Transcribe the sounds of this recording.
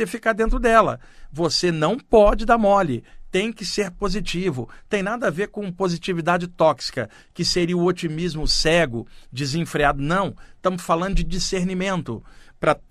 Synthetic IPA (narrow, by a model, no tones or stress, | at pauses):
efikaɾd̪ẽnt̪ɾʊd̪ɛlɐ̰ | vosenɐ̃w̃pɔd͡ʒɪd̪amɔlɪt̪ẽj̃kɪseɾpozit͡ʃivʊt̪ẽj̃nad̪ɐaveɾkõpozit͡ʃivid̪ad͡ʒɪt̪ɔksi̥kɐ | kɪseɾiʊot͡ʃimizmʊsɛɡʊd͡ʒizẽfɾiad̪ʊnɐ̃w̃t̪ɐ̃mʊsfalɐ̃nd̪ʊd͡ʒɪd͡ʒiseɾnimẽnt̪ʊ̰pɾɐ